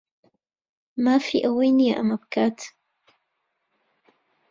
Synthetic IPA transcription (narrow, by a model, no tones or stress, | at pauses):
mafiʔawejnijaʔamap̚kʰatʰ